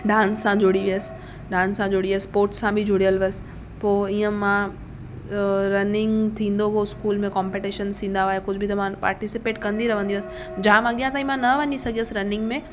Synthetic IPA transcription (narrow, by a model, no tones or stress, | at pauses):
ɖãːnsːãd͡ʑoɽiʋiəs | ɖãːnsːãd͡ʑoɽiʋəspoːɾʈsːãbʱɪd͡ʑʱʊɽijəlʋɐs | poːiːə̃mã | ɾɐnɪ̃ŋɡt̪ʰĩːn̆d̪opoɪskuːlmẽkɔ̃ːmpeʈiʃənsʰĩːn̆d̪aaːɦekʊd͡ʑʱbʱɪt̪ɐmãpa̰ːɾʈɪsɪpeːʈkɐ̃nd̪iɾɐʋə̃nd̪iʋəsɪ̥ | d͡ʑaaːmãɠijãt̪aːĩmãnɐʋɐnisɐɡiəsɾɐnɪ̃ŋɡmẽː